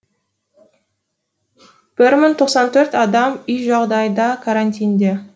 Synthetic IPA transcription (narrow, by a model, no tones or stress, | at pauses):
b̥ɪɾmɪŋt̪ʰo̞qsɑnt̪ʰɵɾt̪ɑd̪ɑmʏjʒɑʁd̪ɑjd̪ɑkʰaɾanʲt̪ʲijnd̪e